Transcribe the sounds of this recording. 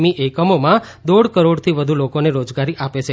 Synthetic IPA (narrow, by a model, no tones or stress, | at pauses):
miʔekəmomã | d̪oɽkəɾoɽt̪ʰiʋəd̪ʱulokoneɾod͡ʒɡaɾiʔapet͡ʃʰe